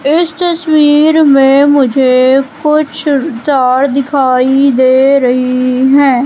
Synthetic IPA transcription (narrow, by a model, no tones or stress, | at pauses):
ɪst̪əswiːɾmẽmʊd͡ʒʱekʊt͡ʃʰsaːɾd̪ɪkʰaːid̪eːɾɐɦiɦɛ̃ː